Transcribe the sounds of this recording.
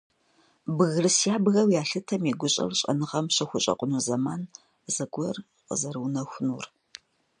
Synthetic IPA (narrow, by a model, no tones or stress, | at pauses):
bɨɣɨrɨsjaːbɣɐwjaːɬɨtʰɐmiɡʷʊɕʼɐ̰rɕʼɐ̰nɨʁɐmɕɐxʷʊɕʼɐ̰qʷʼʊnuzɐman | zɐɡʷɔr | qə̰zɐrwnɐxʷʊnṵːr